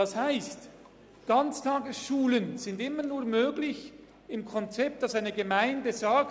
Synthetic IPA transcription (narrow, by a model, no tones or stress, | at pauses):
ɑshaɪst | ɡ̥ɑnt͡stʰɑːɡəsʃuːlənz̥ɪndɪmːənuːɐmøːɡlɪç | ɪmkʰɔnt͡sɛp̚t̚d̥ɑsaɪnəɡəmaɪndəzɑk̚